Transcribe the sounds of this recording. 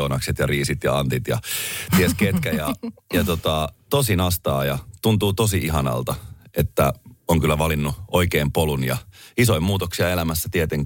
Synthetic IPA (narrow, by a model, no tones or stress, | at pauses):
unɑkset̪jɑriːsit̪jɑ̰ɑnt̪it̪jɑ̰t̪iesket̪kæjɑjɑt̪ot̪ɑt̪osinɑst̪ɑːjɑt̪unt̪uːt̪osiʔiɦɑnɑ̰lt̪ɑʔet̪ːæoŋkylːæʋɑlinːuoikeːmpolunjɑ̰isoimuːt̪oksiɑelæmæsːæt̪iet̪eŋ